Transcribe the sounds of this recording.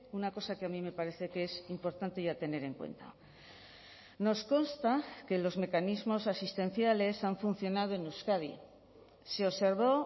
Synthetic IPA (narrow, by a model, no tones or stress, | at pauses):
unako̞sakeamime̞paɾe̞θe̞kesimpo̞ɾt̪ant̪e̞ʝat̪e̞ne̞ɾe̞ŋkwḛnt̪a̰ | no̞sko̞nst̪ake̞lo̞zme̞kanizmo̞sasist̪ẽ̞n̟θjale̞saɱfun̟θjo̞nað̞o̞enuskaðḭ | seose̞ɾβo̞